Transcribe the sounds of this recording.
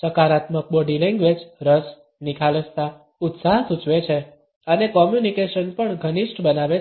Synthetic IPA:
t͡ʃəkaɾat̪mək̚bɔɖilɛ̃ŋɡʋed͡ʒɾəs | nikʰaləst̪a | ʊt̪saɦsut͡ʃʋet͡ʃʰe | ənekɔmjunikeʃənpəɳɡʱəniʃʈbənaʋe

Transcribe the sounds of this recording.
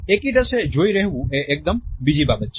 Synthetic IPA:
eːkid̪ɐsed͡ʒoːiɾɛɦwũeʔek̚d̪əmbid͡ʒibaːbət̪̚t͡ʃ

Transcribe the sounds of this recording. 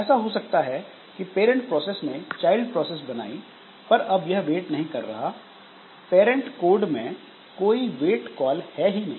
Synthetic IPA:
ɛːsaɦosɐk̚t̪aɦɛ | kipeːɾə̃ɳʈ̚pɾɔːsesnet͡ʃaːɪlɖpɾɔːses̬bɐna̰ːi | pɐɾɐbjɐɦʋeːʈnɐɦĩkɐɾːɐ̰ɦa | peːɾə̃ɳʈkoːɾɖmẽ | koːiʋeːʈkɔːlhɛɦinɐɦĩː

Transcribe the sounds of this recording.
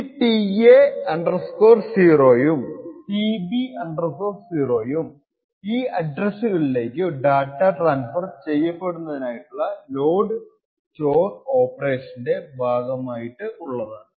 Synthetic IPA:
iʈieɐɳɖɐrsko̞ːrsiːro̞ːjumʈibiɐɳɖɐrsoːfsiːro̞ːjum | iːɐɖrɐsːuɣɐɭile̞ːkʲːɨɖaːkʈːaʈraːnsfɐrt͡ɕe̞jːɐpːe̞ɽunːɐðinaːjiʈːuɭːɐlo̞ːɖɨ | t͡ɕo̞ːro̞ːpːɐre̞ːʂɐnde̞bʱaːɡɐmaːjiʈːɨuɭːɐðaːɳɨ

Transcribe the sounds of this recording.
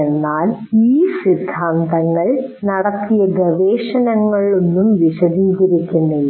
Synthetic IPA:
enːaːliːsrid̪ʱːaːnd̪ɐŋːɐɭnɐɽɐt̪ːijɐɡɐʋeːʂɐnɐŋːɐɭonːumʋiɕɐd̪iːɣɐɾikʲːunːɐ

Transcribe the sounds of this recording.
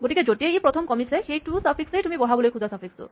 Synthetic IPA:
ɡoʈiked͡ʒoʈieipɾɔt̪ʰɔmkɔmisexejʈusapʰiksejʈumibɔɽ̤abolojkʰuzasapʰiksṵ

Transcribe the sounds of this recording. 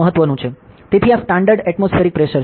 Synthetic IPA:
əɦət̪ːʋənũt͡ʃʰet̪et̪ʰiasʈãɳɖəɾɖɛʈmosfʰeɾik̚pɾeʃəɾ

